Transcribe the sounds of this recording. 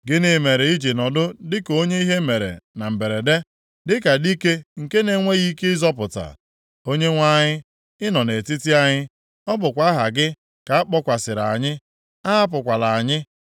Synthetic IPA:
ɡɪ˦ne˨me˨ɾe˨i˦d͡ʒi˨nɔ˨dʊ˦dɪ˦ko˦ɲe˦i˦ɦe˦me˨ɾḛ˨na˨m̩˨be˨ɾe˨de˦ | dɪ˦ka˨di˦ke˦ŋ̩˨ke˦ne˨˦ŋʷe˦ɣi˦ke˦ɪ˦zɔ˦p̬ʊ˨ta̰˨ | o˦ɲe˦ŋʷa˦ɲɪ˦ | ɪ˦nɔ˨ne˨ti˦ti˦a˦ɲɪ˦ | ɔ˦bʊ˨kʷa˦ɦa˨ɡɪ˦ | ka˨a˦k͡pɔ˦kʷa˨sɪ˨ɾa˨a˨ɲɪ˦ | a˦a˦p̬ʊ˨kʷa˨la˨a˨ɲɪ˦

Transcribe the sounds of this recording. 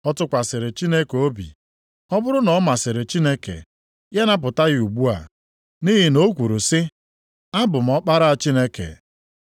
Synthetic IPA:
ɔ˦tʊ˦kʷa˨sɪ˨ɾɪ˨t͡ʃi˦ne˦ko˦bḭ˨ | ɔ˦bʊ˦ɾʊ˦nɔ˨˦ma˨sɪ˨ɾɪ˨t͡ʃi˦ne˦kḛ˨ | je˦na˦p̬ʊ˨ta˦ɣɪ˦u˨ɡ͡bu˦a̰˨ | ni˦ɦi˨no˦kʷu˨ɾu˨sɪ˦ | a˦bʊ˨m̩˨ɔ˦k͡pa˦ɾa˦a˨t͡ʃi˦ne˦kḛ˨

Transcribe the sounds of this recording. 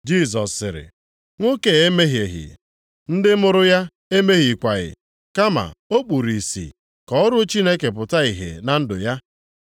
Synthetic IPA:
d͡ʒi˦˨s̬ɔ˨sːɪ˨ɾɪ̰˨ | ŋʷo˦ke˨e˦me˦ɦje˨ɦɪ̰˨ | n̩˦dɪ˦mʊ˦ɾʊ˦ja˦ | e˦me˦ɦi˨kʷa˨ɣɪ̰˨ | ka˦ma̰˨o˦k͡pu˨ɾi˨sḭ˨ | kɔ˨ʊ˦ɾʊ˦t͡ʃi˦ne˦ke˨p̬ʊ˨ta˦i˨ɦḛ˨na˨n̩˦dʊ˨ja˦

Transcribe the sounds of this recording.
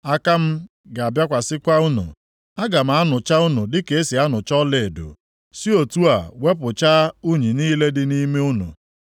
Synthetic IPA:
a˦ka˦m̩˦ | ɡa˨a˨bja˦kʷa˨sɪ˦kʷa˦u˦nṵ˨ | a˦ɡa˨m̩˨a˦nʊ˨t͡ʃa˦ʊ˦nʊ˨dɪ˦ke˨e˦si˨a˦nʊ˨t͡ʃɔ˦le˨e˨do̰˨ | si˦o˨tu˦a˨we˦pʊ˨t͡ʃa˦u˦ɲi˨niː˦le˦dɪ˦ni˦me˦u˦nṵ˨

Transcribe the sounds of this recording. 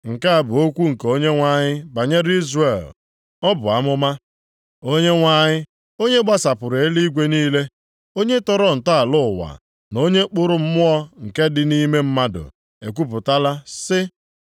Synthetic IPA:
ŋ̩˨ka˦a˨bʊ˨o˦kʷu˦ŋ̩˨ko˦ɲe˦ŋʷa˦ɲɪ˦ba˨ɲe˦ɾi˦zre˨l | ɔ˦bʊ˨a˦mʊ˦ma˦ | o˦ɲe˦ŋʷa˦ɲɪ˦ | o˦ɲe˦ɡ͡ba˦sa˨pʊ˨ɾe˨e˦li˦ɡʷe˦niː˦le˦ | o˦ɲe˦tɔ˦ɾɔ˦n̩˨ta˦a˨lʊ˦˨wa̰˨ | no˦ɲe˦k͡pʊ˦ɾʊ˦m̩˦mʊ˦ɔ˦ŋ̩˨ke˦dɪ˦ni˦me˦m̩˦ma˦dʊ̰˨ | e˨k̬ʷu˦p̬ʊ˨ta˦la˦sɪ˦

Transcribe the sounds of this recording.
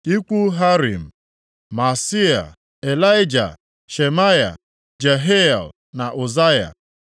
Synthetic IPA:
i˦kʷu˦ɦa˦ɾḭ˨m̩˨ | ma˨si˦a̰˨ | e˨la˦ɪ˦d͡ʒa̰˨ | ʃe˨ma˦ja̰˨ | d͡ʒe˨ɦe˦a̰˨l | na˨ʔʊ˨za˦ja̰˨

